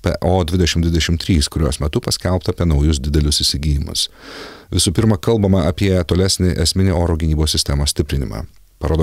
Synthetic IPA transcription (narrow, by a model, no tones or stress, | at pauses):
pʲɛ̰ʔoːd̪ʲʋʲɪd̪ʲɛʃʲɪmd̪ʋʲɪd̪ɛʃʲɪmt̪ʲɾʲiːskʊɾʲuɔsmʲɛt̪ʊpɐsʲkʲɛlˠpt̪ɐːpʲiɛnɒʊjʊsd̪ʲɪd̪ʲɛlʲʊsɪsʲɪɡʲiːjɪmʊ̰sʋʲɪsuːpʲɪɾmɐkɐlˠbɐmɐɐpʲiɛt̪oːlʲæsʲnʲɪʔɛsʲmʲɪnʲeoːɾoːɡʲɪnʲiːboːsʲsʲɪsʲt̪ʲɛmoːsʲt̪ʲɪpʲɾʲɪnʲɪmɑ̰ː | pɐɾoːd̪o